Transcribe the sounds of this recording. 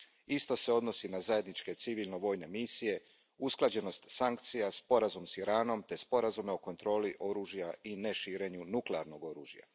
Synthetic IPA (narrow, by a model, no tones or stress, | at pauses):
ist̪o̞se̞o̞d̪no̞sinazaje̞d̪nit͡ʃke̞t̪siʋilˠno̞ʋo̞jne̞misije̞ | usklˠad͡ʑe̞no̞st̪saŋk̚t̪sijaspo̞ɾazumsiɾaːno̞mt̪e̞spo̞ɾazume̞o̞ko̞nt̪ɾo̞ːliʔo̞ɾuːʒijaine̞ʃiːɾe̞ɲunukleaɾno̞ɡo̞ɾuːʒja̰